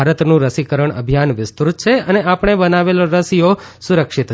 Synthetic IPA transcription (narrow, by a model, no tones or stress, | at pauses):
aɾət̪nũɾəsikəɾəɳə̰bʱijanʋɪst̪ut̪̚t͡ʃʰeəneapɳ̃ebənaʋeloɾəsijo | sʊɾəkʃit̪